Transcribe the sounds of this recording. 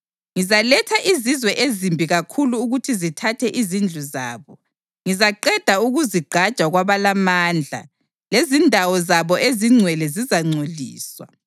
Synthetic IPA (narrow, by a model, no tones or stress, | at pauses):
ŋizalɛtʰaʔizizwɛʔezimbʱiɣakʰuluːɣutʰizitʰatʰɛʔizind͡ɮʱuza̰ːβɔ | ŋizaǃɛd̥ʱauɣuziɡ͡ǃʱad̥ʒ̥ʼʱaɣwaβalamaːnd͡ɮʱa̰ | lezindʱawɔzaβɔʔeziŋ͡ǀʱwɛlɛzizaŋ͡ǀʱoɮḭːswa̰